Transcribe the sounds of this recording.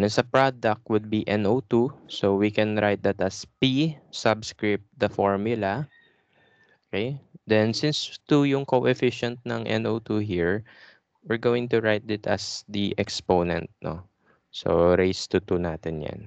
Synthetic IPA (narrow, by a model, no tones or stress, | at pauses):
nɛsɐpɹad̪ɐk̚t̪wʊd̪̚biʔɛnot̪usowikɛnɹajt̪̚d̪ɐt̪ɐspisabskɹɪp̚t̪̚d̪ɐfɔɹmjʊlɐ | ʔokejd̪ɛnsɪ̃nst̪ujʊŋkoʔɛfɪʃɛ̃nt̪̚nɐŋʔɛ̰nʔowt̪uɦiɹ | wɪɹɡoːwɪ̃ŋt̪ʊɹajt̪̚d̪ɪt̪ɐ̰sd̪iʔɛkspoːnɛ̰nt̪̚no̰ | so̰ɾejst̪ut̪unaːt̪ɪnja̰n